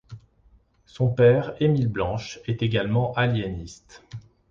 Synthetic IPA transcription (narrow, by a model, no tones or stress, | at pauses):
sɔ̃pɛʁemilblɑ̃ʃɛt̪eɡalmɑ̃ʔaljenist̪